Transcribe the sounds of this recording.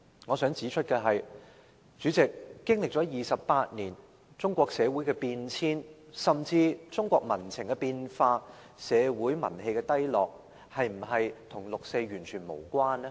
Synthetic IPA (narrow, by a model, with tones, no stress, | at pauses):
ŋɔː˨˧sœː˨˥ŋt͡siː˨˥t͡ʃʰɵ˥t̚kaː˧ɦɐ˨j | t͡ʃyː˨˥t͡sɪ˨kːɪ˥ŋlɪ˨k̚t͡sɔ˨˥jiː˨sɐ˨pːaː˧t̚niː˨˩n | t͡sʊ˥ŋkʷɔː˧k̚sɛː˨˧wuː˨˥jkɛː˧piː˧nt͡sʰiː˥nsɐ˨mt͡siː˧t͡sʊ˥ŋkʷɔː˧k̚mɐ˨˩nt͡sʰɪ˨˩ŋkɛ˧piː˧nfaː˧ | sɛː˨˧wuː˨˥jmɐ̰˨˩nhe˧jkɛː˧t̪ɐ˥jlɔː˨k̚ | hɐ˨jm̩˨˩ɦɐ˨jt̪ʰʊ˨˩ŋlʊ˨k̚se˧jɥyː˨˩nt͡ʃʰyː˨˩nmo˨˩wkʷaː˥nɛ˥